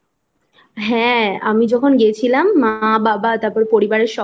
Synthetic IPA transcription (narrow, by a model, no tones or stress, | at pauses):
ɦɛ̃a̰mid͡ʑɔkʰonɡiet͡ɕʰilamːaababat̪aɾpɔɾepoɾibaɾeɾʃɔ